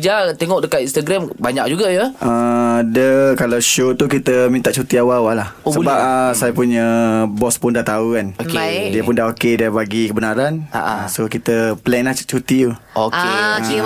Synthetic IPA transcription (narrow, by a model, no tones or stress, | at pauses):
d͡ʒat̪eŋɔʔk̚dəkat̪inst̪aɡɾambaɲak̚d͡ʒuɡajəədəkalawʃot̪ukit̪əmĩnt̪aʔt͡ʃut̪iawawalahosəbap̚əsajapuɲəbɔspʊndaʔt̪auanokdiəpʊndaɦokedabaɡikəbənaɾanaʔsokit̪əplɛnlaht͡ʃut̪it̪uoke